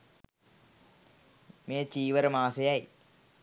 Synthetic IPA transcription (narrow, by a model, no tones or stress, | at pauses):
meːt͡ɕiːʋɐɾɐmaːsɐjaj